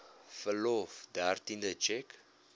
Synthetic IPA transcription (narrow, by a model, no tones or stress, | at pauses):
fəlofd̪art̪ĩnd̪ət͡ʃɛk